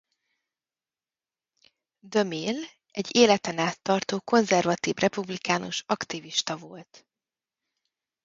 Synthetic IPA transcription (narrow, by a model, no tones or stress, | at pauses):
d̪ø̞mil | ɛɟːeːlɛt̪ɛnaːt̪ːɒrt̪oːko̞nzɛrvɒt̪iːvrʔɛpublikaːnoʃɒkt̪iviʃt̪ɒvo̞lt̪